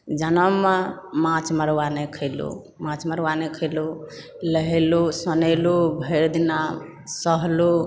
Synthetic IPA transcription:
d͡ʒanəmemãt͡ʃməɾwanekʰəlo̰ | mãt͡ʃməɾwanekʰəlo | ləɦelosənəlobʱəɾd̪ina | səɦlo

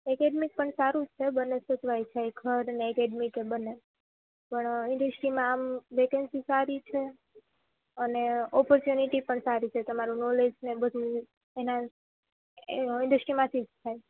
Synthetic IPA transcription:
ekeɖmik̚pəɳsaɾũt͡ʃʰebənːesət̪ʋajt͡ʃʰajɡʰʱəɾneɛkeɖmikebənːe | pəɳɪ̃ɳɖəsʈɾimãːmʋekənsisaɾit͡ʃʰe | əneɔpɔɾt͡ʃjuniʈipəɳsaɾit͡ʃʰet̪əmaɾũnolesnebəd̪ʱu | ena | ɪ̃ɳɖəsʈɾimãt̪ʰid͡ʒt̪ʰaj

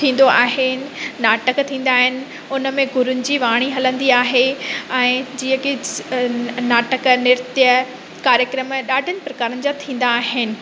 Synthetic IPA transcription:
t̪ʰĩːn̆d̪oʔa̰ːɦɪnɪ̆naːʈəkt̪ʰĩːn̆d̪aːɦɪnɪ̆ | ʊnəmẽɡʱʊɾʊnɪ̆d͡ʑiːʋaːɽ̃iɦɐlə̃nd̪iaːɦeɛ̃ːd͡ʑiːə̃kɪ | naːʈəknɪɾt̪ijə | kaːɾjəkɾəmɗaːɖʱɪənɪ̆pɾɐkaːɾənɪ̆d͡ʑat̪ʰĩːn̆d̪aːɦɪnɪ̆

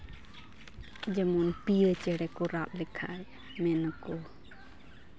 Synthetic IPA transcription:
d͡ʒəmunpiət͡ʃəɽɛkuɾap̚likʰa̰j | mɛnəku

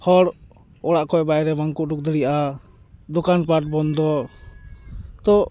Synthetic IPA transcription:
hɔɽ | ɔɽaʔkɔɛbajɾɛbaŋkuʔduk̚d̪əɽiʔa | d̪ɔkanpaʈ̚bɔnd̪ɔ | t̪ɔ

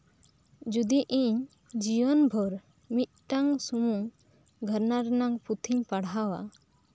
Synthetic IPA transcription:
d͡ʒud̪iʔiɲ | d͡ʒiwɔnbʱɔɾ | mit̪̚ʈaŋsumu | ɡʱəɾnaɾɛnaŋput̪ʰiɲpaɽɦawa̰

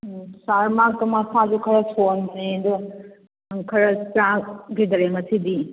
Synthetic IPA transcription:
saɾmakːɐmasad͡ʒukʰɐɾɐsʰonsedu | ŋkʰɐɾɐt͡ʃaɡidɐɾemɐsʰidi

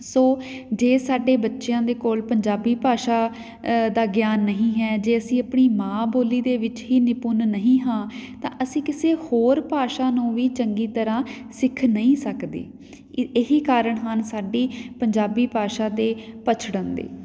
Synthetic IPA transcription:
soːd͡ʒeːsaːɖeːbətːʃjãːd̪eːkoːlpəɲd͡ʒaːbiːpaːʃaː | d̪aːɡjaːnːəɦĩːɦɛːd͡ʒeːəsĩːəpɳiːmãːboːliːd̪eːʋɪt͡ʃɦiːnɪpʊnːəɦĩːɦãːt̪ã̰ːʔəsĩːkɪseːhoːɾpaːʃaːnũːʋiːt͡ʃəŋɡiːt̪əɾãːsɪkʰnəĩːsəkd̪ḛː | ɪɦiːkaːɾəɳɦənsaːɖiːpəɲd͡ʒaːbiːpaːʃaːt̪eːpət͡ʃʰɽə̃nd̪ḛː

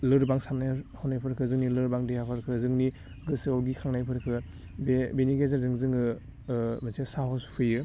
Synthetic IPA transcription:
lɯɾbaŋsamnajhɔwnajpʰɯɾkʰɯzɯŋnilɯɾbaŋdejapʰɯɾkʰɯzɯŋni | ɡɯsɯawɡikʰaŋnajpʰɯɾkʰɯ | bebeniɡezɾzɯŋzɯŋɯ | mansesaɦɔspʰɯjɯ

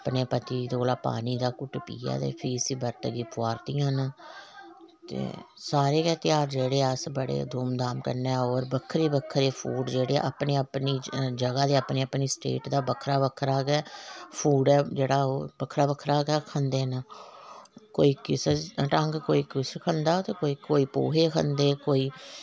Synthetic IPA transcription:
əpneːpət̪iːd̪oːlaːpa̰ːniːd̪aːkʊʈpḭːa̰ːd̪ḛːpʰiːsiːbəɾt̪əɡiːpʊaːɾt̪iːjãːɦnː | t̪ḛːsaːɾeːkɛːt̪ɪjaːɾd͡ʒeːɽeːəsbəɽḛːd̪oːmd̪aːmkəɾnɛːoːɾbəkʰːəɾiːbəkʰːəɾeːpʰṵːɖd͡ʒeːɽeːʔapneːəpniːd͡ʒəɡaːd̪eːapneːəpniːsʈḛːʈd̪aːbəkʰɾaːbəkʰːəɾaːɡɛːpʰuːɖɛːd͡ʒeːɽaːoːbəkʰɾaːbəkʰːɾaːɡɛːkʰə̃nd̪eːnaː | koːiːkɪsʈə̃ŋɡkoːiːkɪskʰənd̪aːt̪eːkoːiːkoːiːpo̰ːɦeːkʰənd̪eːkoːiː

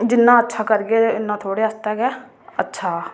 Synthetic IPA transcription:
d͡ʒɪnːãːətːʃʰaːkəɾɡeːɪnːãːt̪ʰoːɽeːəst̪ɛːɡɛː | ətːʃʰaː

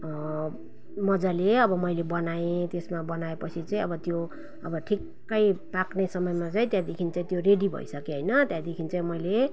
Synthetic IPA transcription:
mʌd͡zaleʌbʌmʌjlebʌnaẽt̪esmabʌnaepʌt͡sʰit͡saĩʌbʌt̪jo | ʌ̰bʌʈʰikːʌjpaknesʌmʌjmat͡saĩt̪jãd̪ekʰint͡saĩt̪joɾeɖibʱʌ̰isʌkeɦʌjnʌt̪jãd̪ekʰint͡saĩmʌjle

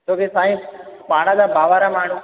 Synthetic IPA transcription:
t̪oːkesaːĩpaːɽ̃ãd͡ʑaːbʱaːʋaːɾamaːɳ̤u

